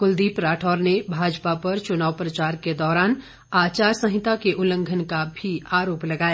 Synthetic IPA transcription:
kʊld̪iːpɾaːʈʰɔːɾnebʱaːd͡ʒpapɐɾt͡ʃʊnaːʋpɾɐt͡ʃaːɾked̪ɔːɾaːn | aːt͡ʃaːɾsə̃ɦɪt̪akeʔʊlə̃ŋɡʱənkabʱiaːɾoːplɐɡaːjaː

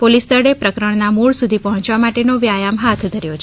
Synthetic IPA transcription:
polist̪əɽepɾəkɾəɳnamuɭsud̪ʱipəɦɔ̃t͡ʃʋamaʈenoʋjajamɦat̪ʰd̪ʱəɾjot͡ʃʰ

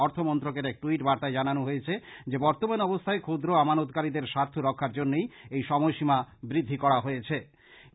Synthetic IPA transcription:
ɔɾt̪ʰomɔnt̪ɾokeɾɛk̚ʈuiʈbaɾt̪aed͡ʑananoɦojet͡ɕʰed͡ʑebɔɾt̪omanɔbost̪ʰaekʰod̪ɾoamanot̪̚kaɾid̪eɾʃaɾt̪ʰoɾɔkʰːaɾd͡ʑonːejejʃɔmojʃimabɾid̪ʱːikɔɾaɦojet͡ɕʰe

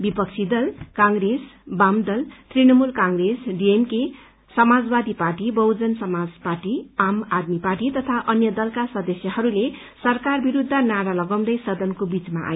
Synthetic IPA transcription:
bipʌk̚t͡sʰid̪ʌlkãŋɡɾesbamd̪ʌlt̪rinʌmulkãŋɡresɖiemke | sʌmad͡zbad̪iparʈibʌwd͡zʌnsʌmad͡zparʈiamad̪miparʈit̪ʌt̪ʰaʔʌnjʌd̪ʌlkasʌd̪ʌsjʌɦʌɾule | sʌrkarbiɾud̪ʱːanaɾalʌɡʌw̃nd̪ʌjsʌd̪ʌnkobit͡smaʔa̰j

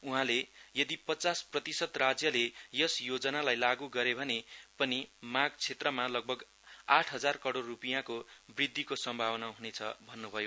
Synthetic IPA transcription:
uɦãlejʌd̪ipʌt͡sasprʌt̪isʌd̪rad͡zjʌlejʌsjod͡zʌnalajlaɡuɡʌɾebʱʌnepʌnimaɡt͡sʰet̪rʌmalʌɡ̚bʱʌɡ | aʈʰɦʌd͡zarkʌɽorːupijãkobrid̪ʱːikosʌmbʱawʌnaɦunet͡sʰʌ̰bʱʌnːubʱʌjo

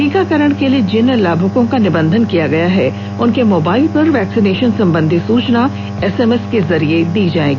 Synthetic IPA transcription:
iːkakɐɾəɽ̃kelied͡ʒɪnlaːbʱʊkõkanɪbə̃nd̪ʱənkijaɡɐjaɦɛ | ʊnkemoːbaːɪlpɐɾʋɛːksɪneːʃənsɐ̃mbə̃nd̪ʱisuːt͡ʃna | ɛsɛːmɛskezɐɾied̪iːd͡ʒaːḛ̃ːɡiː

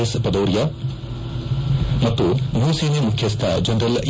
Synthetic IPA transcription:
espɐd̪ɐwɾja | mɐt̪ːunuːsiːnimukʰjɐst̪ʰad͡ʒɐnd̪ɾɐl

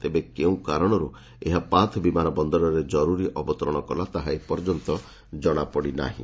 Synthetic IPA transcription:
t̪ebekeũkaɾɔɽ̃ɔɾu | eɦapãt̪ʰbimanɔbɔnd̪ɔɾɔɾed͡ʒɔɾuɾiʔɔbɔt̪ɔɾɔɽ̃ɔkɔlat̪aɦaepɔɾd͡ʒɔnt̪ɔ | d͡ʒɔɽ̃apɔɽina̰ɦḭ̃

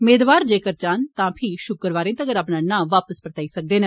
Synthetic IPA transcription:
meːd̪ʋaːɾd͡ʒeːkəɾt͡ʃaːnt̪ãːpʰɪʃʊkəɾʋaːɾẽːt̪əɡəɾəpnaːnãːʋaːpəspəɾət̪aːiːsək̚d̪eːnẽː

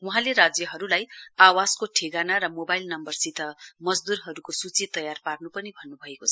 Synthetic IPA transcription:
wuɦãleɾad͡zjʌɦʌɾulajawaskoʈʰeɡanaɾʌmobailnʌmbʌrsit̪ʰʌmʌd͡zd̪uɾɦʌɾukosut͡sit̪ːʌjarparnupʌnibʱʌnːubʱʌekot͡sʰʌ̥

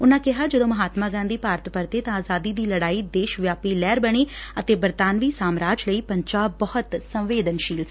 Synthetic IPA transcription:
ʊnãːkɪɦaːd͡ʒəd̪õːməɦaːt̪maːɡãːnd̪iːpaːɾt̪pəɾt̪eːt̪ãaːzaːd̪iːd̪iːləɽaːiːd̪eːʃʋjaːpiːlɛːɾbəɽ̃eːət̪eːbəɾt̪aːnʋiːsaːmɾaːt͡ʃləiːpəɲt͡ʃaːbəhʊt̪səmʋeːd̪ənʃiːls

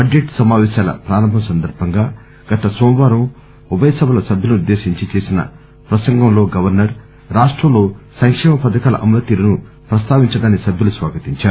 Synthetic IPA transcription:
ɐɖeʈsɐmaːʋɛːʃaːlɐ̰pɾaːɾɐmbʱɐmsɐnd̪ɐɾbʱɐŋɡaː | ɡ̥ɐt̪ɐsɔːmʋaːɾɐm | ubɐjɐsɐbɐlɐsɐbʱjɐlunud̪ːe̞ːʃiɲt͡ʃit͡ʃe̞ːsinɐ̰ | pɾɐsɐŋɡɐmlo̞ːɡɐʋɐɾnɐɾ | ɾaːʂʈɾɐmlo̞ːsɐŋkʂɛːmɐpɐd̪ɐkaːlɐ̰ʔɐmulɐt̪iːlɐnu | pɾɐst̪aːʋiɲt͡ʃɐɽaːnisɐbʱjulusʋa̰ːɡɐt̪iɲt͡ʃaːu

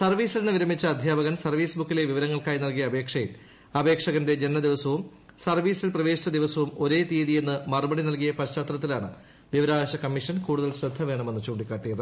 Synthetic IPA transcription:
sɐrʋiːsilnɨʋiɾɐmːit͡ɕːɐɐd̪ʱjaːbɐɣɐnsɐrʋiːsbukːileʋiʋɐɾɐŋːɐɭkaːjinɐlkijɐːbe̞ːkʂɐjil | ɐbe̞ːkʂɐɣɐnde̞d͡ʑe̞nmɐd̪iʋɐsɐʋum | sɐrʋiːsilprɐʋe̞ːɕit͡ɕːɐd̪iʋɐsɐʋumo̞ɾe̞ːt̪iːðije̞nːɨmɐrubɐɽinɐlkijɐpɐɕaːt̪rɐt̪ːilaːɳɨ | ʋiʋɐɾaːʋɐɕɐkɐmːiʂɐnkuːɽuðɐlɕɾɐd̪ʱːɐʋe̞ːɳɐmenːut͡ɕoːɳɖikːaːʈːijɐðɨ

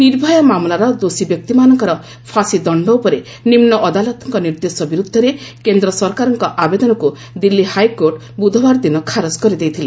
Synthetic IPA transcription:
niɾbʱɔjɔmamlaɾɔd̪osibjɔk̚t̪imanɔŋkɔɾɔ | pʰasid̪ɔɳɖɔwpɔɾe | nimnɔʔɔd̪alɔt̪ɔŋkɔniɾd̪esɔbiɾud̪ʱːɔɾekend̪ɾɔsɔɾkaɾɔŋkɔʔabed̪ɔnɔku | d̪ilːihajkoɾʈ | bud̪ʱɔbaɾd̪inɔkʰaɾɔd͡ʒkɔɾid̪ejt̪ʰile

